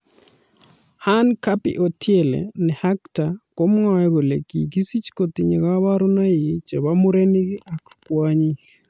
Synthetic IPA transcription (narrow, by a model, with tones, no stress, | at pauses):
hankapɪ̰˦ʔo˨tʰje˨lḛ˨nɛ˨haktako˦mŋɔ˦ɛ˦βo˨lḛ˨ki˨ɡi˦si˦t͡ʃkot̪i˨ɲe˨ɣa˦βaɾo˦na˦ji˨t͡ʃɛ˨βamu˦ɾeni˦kɪ˦ʔa˨kkwaɲik